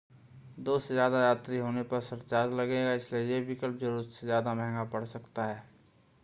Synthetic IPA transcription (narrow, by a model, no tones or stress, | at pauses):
d̪oːsezjaːd̪ajaːt̪ɾiɦoːnepɐɾsɐɾt͡ʃaːɾlɐɡeːɡaɪsliejebɪkəlp̚d͡ʒəɾuɾsezjaːd̪amɛɦŋɡapɐɽsɐkt̪aɦɛː